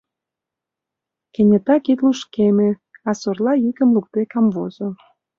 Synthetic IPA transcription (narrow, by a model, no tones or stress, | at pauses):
kenʲet̪ɑkit̪luʃkemeɑsorlɑjykəmluk̚t̪ekɑmvozo